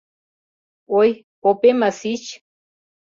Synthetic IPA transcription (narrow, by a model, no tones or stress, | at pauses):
oj | opemasit͡ʃ